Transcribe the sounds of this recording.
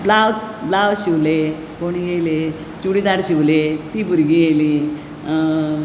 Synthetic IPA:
blawt͡sblawɕiʋle | koɽ̃iɡele | t͡ɕuɽid̪aɽɕiʋlet̪ibʱuɾɡijeli

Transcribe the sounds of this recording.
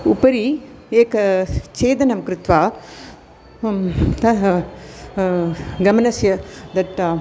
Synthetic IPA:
upɐɾi | eːkɐt͡ʃeːd̪ɐnɐmkɾɪt̪ʋaː | t̪ɐ | ɡɐmɐnɐsjɐd̪ɐʈ

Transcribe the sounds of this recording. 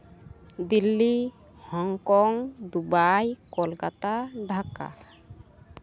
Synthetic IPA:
d̪ilːi | hɔŋkɔŋd̪ubajkɔlkat̪aɖʱaka̰

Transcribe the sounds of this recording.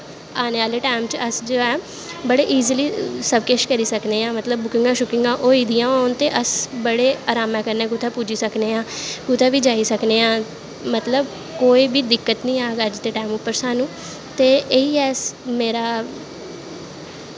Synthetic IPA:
aːneːʋaːleːʈaːmt͡ʃəsd͡ʒoːɛː | bəɽeːʔiːziliːsəb̚keʃkəɾiːsəkneːãːmət̪ləbːʊkɪ̃ŋɡãːʃʊkɪ̃ŋɡãːʔoːiːd̪ɪjãːont̪eːʔəsbəɽeːaːɾaːmɛ̃ːkəɾneːɡʊt̪ʰaːpuːd͡ʒiːsəkneːãːkʊt̪ʰaːʋiːd͡ʒaːiːsəkneːãː | mət̪ləb | koːiːbiːd̪ɪkːət̪nĩːaːɡəd͡ʒt̪eːʈaːmʊpːəɾsaːnũː | t̪eːʔeiːɛːsmeːɾaː

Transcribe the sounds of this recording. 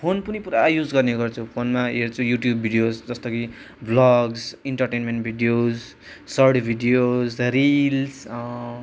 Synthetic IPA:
pʰonpunipuɾajud͡zɡʌrneɡʌrt͡sʰupʰonmaɦeɾt͡sʰujuʈjubːʱiɖijosd͡zʌst̪ʌki | blʌɡsiɳʈʌrʈenmeɳʈbʱiɖijos | sʌrɽbʱiɖijozrils

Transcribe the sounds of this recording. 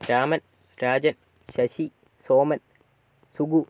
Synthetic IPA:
ɾaːmɐn | ɾaːd͡ʒɐn | ʃɐʃi | soːmɐn | suɡu

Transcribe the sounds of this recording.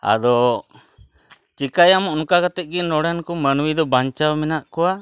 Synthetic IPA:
a̰d̪ɔ | t͡ʃikajamɔʔnukakat̪ɛt̪̚ˀɡinɔɽɛnkɔmənwid̪ɔbaɲt͡ʃawmɛnaʔkɔwa

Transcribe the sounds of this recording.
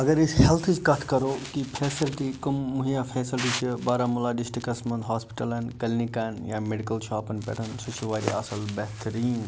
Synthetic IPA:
ɐɡɐɾɪshɛlt̪ʰɨt͡ʃkɐt̪ʰkɐɾoːkipʰeːsɐlʈikɐmːuɦijãːfʰeːsɪlʈiːt͡ʃʰibaːɾaːmʊlaːɖɪsʈikɐsmɐ̃nd̪ɦaːspɪ̥ʈɐlɐnkɐlnikaːnjaːmeɖikɐlʃaːpɐnpɛ̰ʈʰɐnsɐt͡ʃʰuʋaːɾḭɐsɐlbeːt̪ɐɾiːn

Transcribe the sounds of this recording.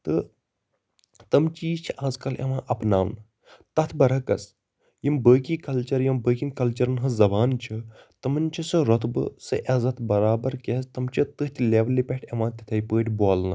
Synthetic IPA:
t̪ɨ | t̪ɐmt͡ʃiːt͡ʃʰiaːzkɐlɐ̰ʋãːʔɐpnaːʋnɨ | t̪ɐt̪ʰbɐɾɐkɐs | jimbəːkiːkɐlt͡ʃɐɾjɐmbəːkʲinkɐlt͡ʃɐɾnɦɐzɐbaːnt͡ʃʰit̪ɐmɨnʲt͡ʃʰisɨɾɐt̪bɨ̰sɨʔɐzɐt̪ʰbɐɾaːbɐɾkʲest̪ɐmt͡ʃʰit̪ɨɦt̪ʰʲleːʋlːipʲeʈʰɐʋãːt̪ʲit̪ʰɐjpəːʈʲboːlnɨ

